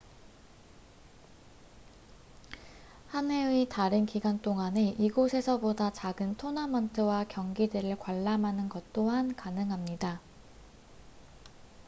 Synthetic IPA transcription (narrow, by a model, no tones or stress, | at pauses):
hane̞itaɾɯnkiɡant͈oŋane̞ʔiɡosʰe̞sʰʌbodat͡ɕaɡɯntʰonamʌntʰɯwakjʌŋɡidɯɾɯɭkwaɭːamɦanɯnɡʌt̚t͈oɦankanɯŋɦamɲida